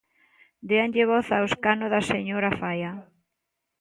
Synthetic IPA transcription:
d̪eanʎɪβɔθawskanoðaseɲoɾafaja

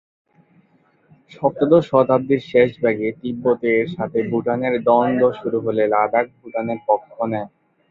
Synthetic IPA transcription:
ʃɔp̚t̪od̪oʃɔt̪ab̚d̪iɾʃeʃbɛɡet̪ibːot̪eːɾʃat̪ʰebuʈaneɾd̪ɔnd̪oʃuɾuɦolelad̪ak̚bʱuʈaneɾpɔkʰːoonɛ

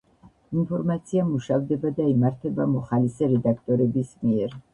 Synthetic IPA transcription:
inpʰɔɾmat̪sʰiamuʃavd̪ɛbad̪aimaɾt̪ʰɛbamɔχalisɛɾɛd̪ak̚ʰt̪ʼɔɾɛbismiɛɾ

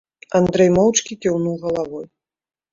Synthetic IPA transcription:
and̪ɾɛjmɔwt͡ʂkʲikʲiwnuwɣɐlˠavɔj

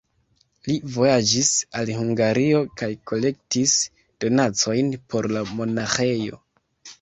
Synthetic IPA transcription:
livo̞jad͡ʒisalhuŋɡaɾio̞kajko̞le̞k̚tis | d̥o̞nat͡so̞jnpʰo̞ɾlamo̞naxe̞jo̞̰

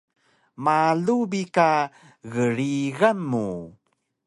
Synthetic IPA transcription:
malubika | ɣəɾiɣamːu

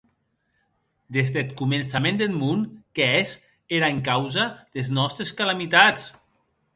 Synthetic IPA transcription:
d̪ezðet̪kumensamẽnd̪elmunkees | eɾaeŋkawzað̥eznɔst̪ɾeskalamit̪at͡s

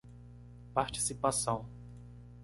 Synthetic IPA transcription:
paɾt͡ʃi̥sipasɐ̃w̃

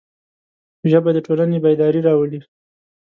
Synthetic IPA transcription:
ʒəbad̪əʈolanebajd̪ɑɾiɾɑwəli

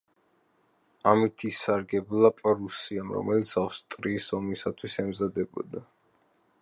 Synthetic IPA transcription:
amit̪ʰisaɾɡɛblˠapʼɔɾusiamɾɔ̰mɛlit̪sʰawst̪ʼɾiːsɔmisat̪ʰwisɛmzad̪ɛbɔ̰d̪a

